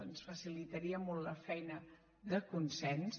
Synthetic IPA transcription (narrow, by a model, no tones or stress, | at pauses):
ənsfəsilit̪əɾiəmɔlˠt̪ləfɛjnə | ðəkunsɛns